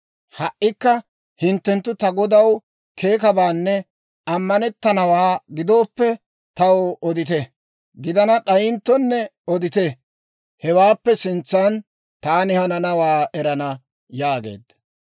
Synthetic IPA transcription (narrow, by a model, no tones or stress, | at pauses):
hɐʔːɪkːɐ | hɪnt̪ːɛnt̪ːʊt̪ɐɡɔd̪ɐw | kʰe̞ːkɐbaːnːɛ | ɐmːɐnɛt̪ːɐnɐwaːɡɪd̪o̞ːpːɛ | t̪ɐwɔd̪ɪt̪ɛ | ɡɪd̪ɐnɐɗɐjɪnt̪ːɔnːɛɔd̪ɪt̪ɛ | hɛwaːpːɛsɪnt͡sːɐn | t̪aːnɪhɐnɐnɐwaːɛɾɐnɐ | jaːɡḛːd̪